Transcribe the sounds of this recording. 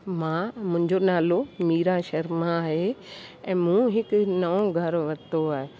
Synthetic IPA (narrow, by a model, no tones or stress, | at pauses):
mãːmʊ̃ɦɪ̃ɲd͡ʑonaːlomiːɾãʃɐɾmãɦeɛ̃ːmũɦɪknɐõɡʱɐɾʋɐt̪oaːɦe